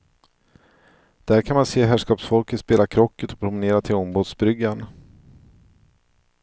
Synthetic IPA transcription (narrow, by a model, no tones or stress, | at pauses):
d̪̥æːɾkʰanmanseːɦæːʂkɑːpsfɔlkət̪speːlakʰɾɔkʰːət̪ɔ̥pʰɾʊməneːɾat̪ʰɪlɔmbuːd̪sbɾʏɡːan